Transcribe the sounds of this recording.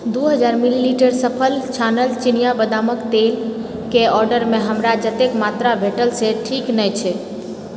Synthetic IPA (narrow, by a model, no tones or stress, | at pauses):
d̪uɦəd͡ʒaɾmililiʈəɾsəpʰəlt͡ʃʰanəlt͡ʃinijabəd̪aməkt̪el | keɔɾɖəɾmeɦəmɾad͡ʒət̪ekmat̪ɾabʱeʈəlseʈʰiknɛjt͡ʃʰɛ